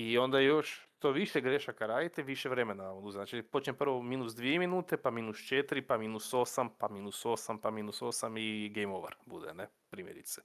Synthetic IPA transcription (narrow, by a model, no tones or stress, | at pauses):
io̞nd̪ajo̞ʃt̪oʋiʃeɡɾeʃakaɾaːd̪it̪eʋiʃeʋɾe̞menaʋaod̪uzenat͡ʃipo̞t͡ʃɲepr̩ʋo̞minusd̪ʋieminuːt̪e̞paminust͡ʃet̪ɾipaminuso̞ːsampaminuso̞sampaminuso̞samiɡejmoʋeɾbṵd̪ḛne | pɾiːmjeɾḭt̪se̥